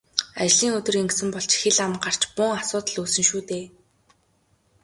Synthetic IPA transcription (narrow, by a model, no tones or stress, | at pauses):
at͡ɕɮiːŋɵt̪ɵ̆reŋɡsɘ̆mpɔɮt͡ɕxeɮamɢar̥t͡ɕpʊŋasʊːt̪ə̆ɮuːsɵ̆ŋʃuːt̪eː